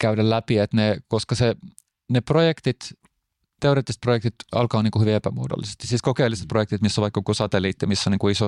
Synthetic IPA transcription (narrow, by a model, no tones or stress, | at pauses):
kæydællæpiet̪nekoskɑse | neprojekt̪it̪ | t̪eoreːt̪ːist̪projekt̪it̪ɑ̰lkɑːniːŋkuhyʋiepæmuodo̰lːisest̪i̥siːskokeilːiset̪̚projekt̪it̪misːoʋɑikːɑkusɑt̪eliːt̪ːijɑmisːoniːŋkuiso